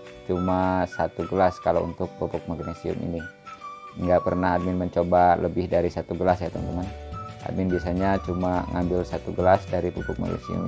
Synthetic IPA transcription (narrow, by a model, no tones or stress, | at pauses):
t͡ʃumasat̪uɡəlaskalo̰ṵnt̪ʊk̚pupʊk̚maɡnesiʊ̰mʔḭni | ŋɡapərnahad̪̚mɪnməɲt͡ʃobaləbɪhdaɾisat̪uɡəlasjat̪ɔnt̪əmanʔa̰d̪̚mɪnbiasaɲat͡ʃumaŋambɪlsat̪uɡəlasdaɾipupʊk̚ma̰ɡnḛsiṵm